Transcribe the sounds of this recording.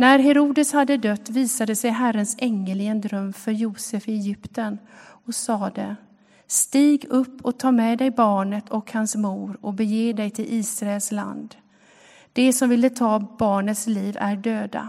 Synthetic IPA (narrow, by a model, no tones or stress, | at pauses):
næɾɦɛɾuːd̪əshad̪ːəd̪œt̪ːviːsad̪əsɛjɦærənsɛŋːəlɪɡənd̪ɾœmːfœɾjuːsɛfɛjʏpt̪ən | ɔsɑːd̪ɛ | st̪iːɡɵpːɔk̚t̪ʰɑːɾmɛd̪ɛjbɑːɳət̪ʰɔkhansmuːɾɔbɛjeːd̪ɛjt̪ʰɪlʔiːsɾaɛlsla̰nd̪ | d̪̥ɛsɔmvɪlːət̪ʰɑːbɑːɳət̪sliːvæ̰ɖøːd̪a̰